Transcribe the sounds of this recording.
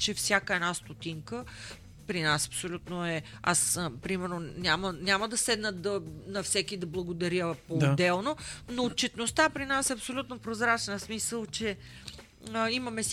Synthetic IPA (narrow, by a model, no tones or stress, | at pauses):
t͡ʃɛfsʲjakəɛnast̪ot̪iŋkə | pɾinasɐ̥psolʲut̪noɛa̰spɾimɛɾnonʲjamənʲaməd̪ɐsɛd̪nət̪d̪ɐnɐfsɛkid̪ɐblˠɐɡod̪ɐɾəpoːd̪ɛlˠnonoːt̪̚t͡ʃɛt̪nost̪apɾinasɛɐpsolʲut̪nopɾozɾat͡ʃnəsmisəlˠt͡ʃɛ | imɐmɛs